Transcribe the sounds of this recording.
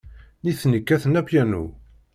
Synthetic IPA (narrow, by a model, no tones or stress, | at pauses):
niθnəkːæθənæpjænṵ